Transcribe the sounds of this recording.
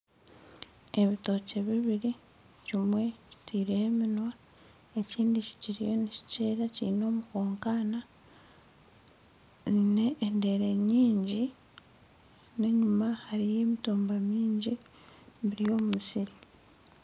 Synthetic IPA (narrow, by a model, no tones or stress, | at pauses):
e̞βito̞ce̞βiβiɾi | cimwe̞ci̥tʰiːɾeeminwa | e̞ciːndici̥ciɾijo̞nici̥ceːɾacḭino̞ːmukoːŋkaːna | ne̞ʔːnde̞ɾe̞ɲiːɲɟi | neɲumahaɾije̞ːmituːmbamiːɲɟi | βiɾijo̞ːmumisiɾi